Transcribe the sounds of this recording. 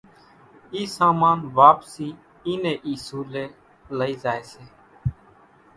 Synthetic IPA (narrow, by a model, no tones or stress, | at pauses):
iːsaːmaːnʋaːpsiː | iːneːʔiːsuːleː | ləiːzaːeːseː